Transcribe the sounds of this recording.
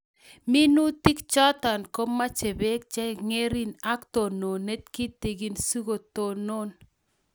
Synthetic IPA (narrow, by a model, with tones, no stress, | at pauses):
mi˦nu˦ti˦kt͡ʃɔ˦t̪a˨nko˦mːa˦t͡ʃe˨be˦k̚t͡ʃɛ˦ŋe˦ɾi˦na˦kt̪ɔ˨no˨ne˦t̪̚ki˦t̪e˨ɡi˦nsu˦ɣo˨to˨no˦n